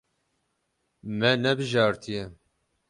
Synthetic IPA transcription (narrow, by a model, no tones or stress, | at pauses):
mɛnɛbɨʒɑːɾt̪ʰijɛ